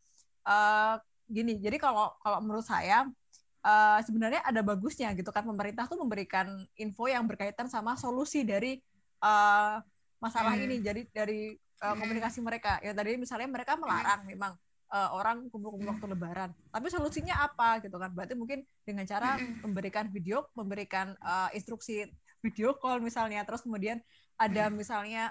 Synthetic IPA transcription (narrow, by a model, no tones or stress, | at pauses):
ʔəː | ɡinid͡ʒadikalokaloməɾʊt̪̚sa̰ja | ʔəːsəbənarɲaʔadabaɡusɲaɡit̪ukanpəməɾint̪aht̪uməmbəɾikaninfojaŋbərkait̪ansamasolusidaɾi | ə | masalaɦinid͡ʒadidaɾi | əːkomunikasiməɾekajʔaŋt̪adimisalɲaməɾekaməla̰ɾaŋmemaŋ | ʔəːoɾaŋkumkubuwak̚t̪uləbaɾant̪apisolusiɲaːpaɡit̪ukanbaat̪umuŋkɪn | dəŋant͡ʃaɾaməmbəɾikanfideoməmbəɾikanəinst̪ɾuksi | fideokɔlmisalɲat̪əɾʊskəmodian | adamisalɲa